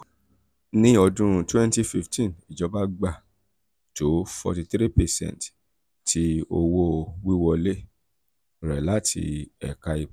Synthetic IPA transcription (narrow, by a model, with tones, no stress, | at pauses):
nĩ˦ɔ˧dũ˦ɾ̃ũ˦˧twɛ̃˦n˦ti˦fi˦ftʰĩ˦˨ni˨d͡ʒɔ˨˦ba˦ɡ͡ba˦˨ | to˨˦fɔ̰˧ti˧t̪ɾi˦pɛ˨sɛ̰̃˦n˨t | ti˧˦o˧wo˦wi˦wɔ˧le˦˨ | ɾɛ̰˨la˦tʰḭ˧ɛ̰˨ka˧i˧˨